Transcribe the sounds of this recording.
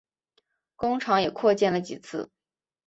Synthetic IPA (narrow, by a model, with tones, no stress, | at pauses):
kʊ˥ŋʈ͡ʂʰɑ˧˥ŋjɛ˨˩kʰwɔ˥˧t͡ɕjɛ˥˩nlə˩t͡ɕi˨˩t͡sʰɹ̩˥˩